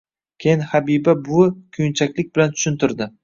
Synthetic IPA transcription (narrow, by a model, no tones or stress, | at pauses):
kʲʰejɪnhabibabʊkʲʰojɪnt͡ʃʰakʲlɪk̚ʲbɪlant̪ʰʊ̥ʃʊnt̪ɪɾd̪ɪ